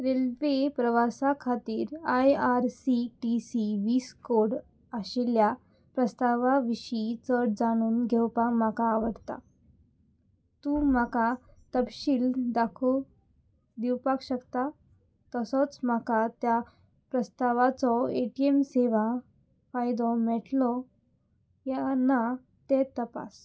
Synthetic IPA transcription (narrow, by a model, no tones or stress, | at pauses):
ɾelʋepɾəʋasakʰat̪iːɾajaɾsiʈisiʋiːskoɽ | aɕelja | pɾəst̪aʋaʋiɕit͡səʈd͡zaɽ̃uːnɡʱewpakm̤akaːʋəɽt̪a̰ | t̪umakat̪əpɕiːld̪akʰo | d̪iwpakɕəkt̪a | t̪əsɔt͡sm̤akat̪ja | pɾəst̪aʋat͡sɔeʈiemseʋã | fajd̪ɔ̃mɛʈlɔ | jana | t̪et̪əpa̰s